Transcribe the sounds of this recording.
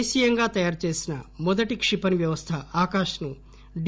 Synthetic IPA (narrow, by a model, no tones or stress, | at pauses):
ʃijɐŋɡaːt̪ɐjaːɾt͡ʃe̞ːsinɐmɔd̪ɐʈikʂipɐniʋjɐʋɐst̪ʰɐaːkaːʂɐnu | ɖ